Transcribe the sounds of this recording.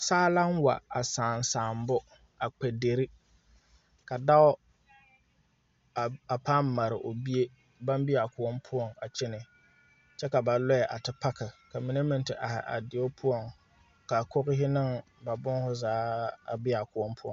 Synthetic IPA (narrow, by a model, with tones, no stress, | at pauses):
saː˦la˦n˦wa̰˨a˨saː˨n˨saː˨m˦bʊ˦ | a˨k͡pɛ˨de˨ɾi˦ | ka˨da˦ʊ˦ | a˨a˨paː˦mːa˨ɾɪ̰˨ʔo˨bi˦e˦ | ba˦m˦bi˦a˨kʊ˨ɔ˦mpʰʊ˦ɔ˨ŋa˨t͡ʃɪ˦nɪ˨ | t͡ʃɛ˦ka˨ba˨lɔ˦ɛ˨ʔa˨tɪ˨pa˦kɪ˨ka˨mi˦ne˦mɪ˨ntɪ˨ʔa˨hɪ̰˨ʔa̰˨dɪ˨o˦pʰʊ˦ɔ˨ŋ | ka˨kʊ˦ɣɪ˦ɦɪ˦nɪ˦ŋ | ba˨bʊ˦ŋhʊ˦zaː˨˦a˨bɪ˦a˨kʊ˦ɔ˦mpʰʊ˦ɔ̰˨